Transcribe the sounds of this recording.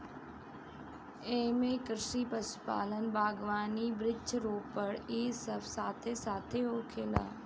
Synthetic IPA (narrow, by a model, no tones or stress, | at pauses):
eːmẽːkɾʃiːpəspa̰ːlənbʱaːɡʋaːniːbɾɪt͡ʃɾoːpəɽeːsəbsaːt̪ʰeːsaːt̪ʰeːɦoːkʰeːla̰ː